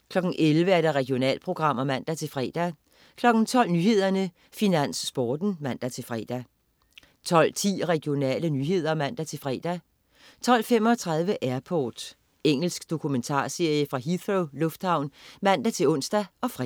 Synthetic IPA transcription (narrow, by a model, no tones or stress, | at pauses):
kʰlɒ̽ɡ̥n̩ʔelʋəæɐɾ̥ɑ̈ʁɛɡ̥jo̝nɛ̰ːlpʰʁo̝ɡ̥ʁɑ̈m̰ɐmæn̰d̥æt͡sʰe̝lfʁɛ̰ːd̥æ | kʰlɒ̽ɡ̥n̩t͡sʰɒ̽l̰nyːhe̝ð̞̰ˠɐnə | finæn̰sːb̥ɒːd̥n̩mæn̰d̥æt͡sʰe̝lfʁɛ̰ːd̥æ | t͡sʰɒ̽l̰t͡sʰḭːʁɛɡ̥jo̝nɛ̰ːlənyːɦe̝ð̞̰ˠɐmæn̰d̥æt͡sʰe̝lfʁɛ̰ːd̥æ | t͡sʰɒ̽l̰femɒ̽t͡sʰʁɑ̈ð̞ˠʋəʔæɐpʰɒːd̥ | eŋ̰l̩sɡ̥d̥o̝kʰument͡sʰɑ̰̈ːse̝ɐ̰jəfʁɑ̈ɦiθʁolɔ̽fd̥hɑ̈ʊ̰nmæn̰d̥æt͡sʰe̝lɔ̽n̰sd̥æɒ̽fʁ